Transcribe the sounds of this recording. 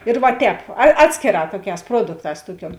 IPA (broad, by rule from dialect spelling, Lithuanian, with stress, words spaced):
ɪr ʋɐ ˈtʲɛːp ɐ ˈɑːtʲsʲkʲeːˌrɑː ˈtuɔˌkʲɛːs ˈpruɔdʊkˌtɑːs ˈtuɔˌkʲuɔm